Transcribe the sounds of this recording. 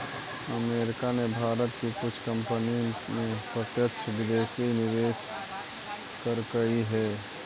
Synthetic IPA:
əmeːɾɪkanebʱaːɾət̪kikʊt͡ʃʰkə̃mpənimẽpɾət̪jəkt͡ʃʰbɪd̪eːsinɪʋeːs | kəɾkəiɦɛː

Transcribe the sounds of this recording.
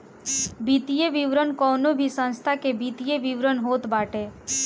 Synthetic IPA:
bit̪ijeʋiʋɾənkɔnobʱisə̃nst̪ʰakebit̪ijeʋiʋɾənɦot̪baʈe

